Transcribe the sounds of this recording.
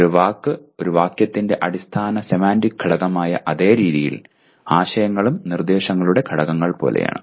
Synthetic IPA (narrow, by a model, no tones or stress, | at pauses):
ɾuʋaːkːɨo̞ɾuʋaːkjɐt̪ːinde̞ʔɐɽist̪ʰaːnɐsemaːndikʰːɐɽɐɣɐmaːjɐ̰ʔɐðe̞ːɾiːðijḭl | aːɕɐjɐŋːɐɭumnird̪eːɕɐŋːɐɭuɽe̞kʰɐɽɐɣɐŋːɐɭpo̞̰ːlḛja̰ːɳɨ